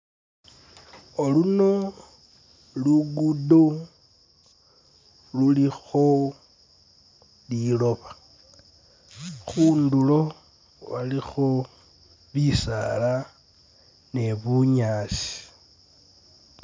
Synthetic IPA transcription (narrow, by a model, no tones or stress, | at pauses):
oluno | luɡudo | lulixo | lilo̞βḁ | xuːndulo | βalixo | βisa̰la | ne̞βuɲaːsi̥